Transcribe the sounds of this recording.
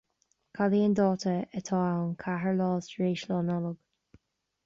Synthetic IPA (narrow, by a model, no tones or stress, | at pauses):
kʰaliːənd̪ɔːt̪ʰəət̪ʰɔːawnkʰaɦəɹlɑːsɹeːʃlɔːnɔlɔɡ̥